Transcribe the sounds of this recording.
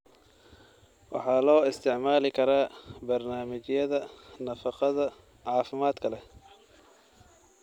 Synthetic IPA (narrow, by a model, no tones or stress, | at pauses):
wɑ̰ħɑːlɔːɪst̪ʰɪʕmaːlɪkʰɐɾaːbɐrnaːmɪt͡ʃjɐðɐnɐfɑqɑðɐ | ʕɑːfɪmaːd̪kʰɐlɛ